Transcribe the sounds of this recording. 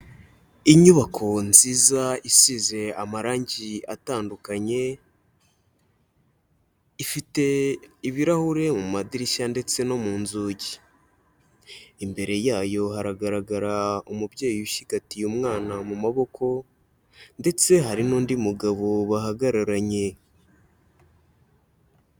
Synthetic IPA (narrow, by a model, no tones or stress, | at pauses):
iɲuβakʰo̞nziːzaisize̞amaɾaːɲɟia̰taːndukaɲe̞ | ifite̞iβiɾahuɾe̞mumadiɾiʃande̞t͡se̞no̞muːnzuːɟi | imbe̞ɾe̞jaːjo̞haɾaɡaɾaɡaɾaumubje̞ːjiiʃiɡatijumŋaːnamumaβo̞kʰo̞ | nde̞t͡se̞ɦaɾinuːndimuɡaβo̞βahaɡaɾaɾaɲe̞